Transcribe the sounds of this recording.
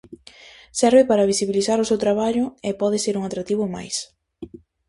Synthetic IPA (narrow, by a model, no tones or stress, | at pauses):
sɛɾβɪpaɾaβ̞isiβiliθaɾʊsewt̪ɾaβaʎʊepɔðɪseɾuŋat̪ɾat̪iβ̞ʊma̰js